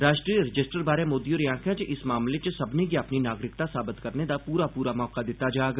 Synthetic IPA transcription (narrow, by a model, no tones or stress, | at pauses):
ɾaːʃʈɾiːɾɪd͡ʒɪsʈəɾbaːɾẽmoːd̪ijoːɾjãːkʰɛ̃t͡ʃʔɪsmaːmlet͡ʃəsɐbnekiɐpninaːɡɾɪkt̪asaːbɪt̪kɐɾned̪apuːɾapuːɾamɔːqad̪ɪt̪ad͡ʒaːɡ